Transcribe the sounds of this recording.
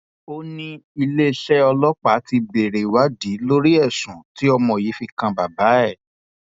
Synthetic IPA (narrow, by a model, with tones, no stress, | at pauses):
o˧nĩ˧i˧le˦ʃɛ˦ɔ˧lɔ˦k͡pa˨˦ti˧be˨ɾe˨wa˨˦di˨˦lo˦ɾi˦ɛ˦˨sũ˨ti˨˦ɔ˧mɔ̃˧˨ji˨˦fi˧kã˧ba˨ba˨˦ɛ˦˨